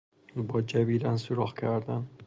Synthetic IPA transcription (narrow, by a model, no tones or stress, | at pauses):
bɒːd͡ʒæbiːɾænsuɾɒːhcʰæɾd̪æn